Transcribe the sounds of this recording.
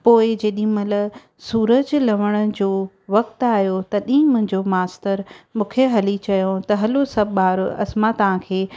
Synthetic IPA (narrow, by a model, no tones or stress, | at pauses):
poːɪd͡ʑeːɗĩmɐlə | suːɾəd͡ʑlɐʋəɽ̃ə̆d͡ʑoː | ʋɐk̚t̪aːɦjot̪ɐɗĩːmʊ̃ɦɪ̃ɲd͡ʑomaːst̪əɾmũːkʰeɦɐlit͡ɕɐjõt̪ɐɦɐlosɐbbaːɾɐ̰smãt̪ɐʋ̤ãkʰeː